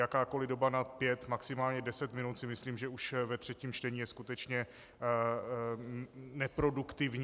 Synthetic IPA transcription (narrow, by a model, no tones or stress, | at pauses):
jakaːko̞lɪdo̞banat̪pjɛt̪maksɪmaːlɲɛdɛsɛt̪mɪnut̪sɪmɪsliːmʒɛuʃvɛt̪r̥ɛciːmt͡ʃt̪ɛɲiːjɛskut̪ɛt͡ʃɲɛ | nɛpɾo̞dukt̪ɪvɲ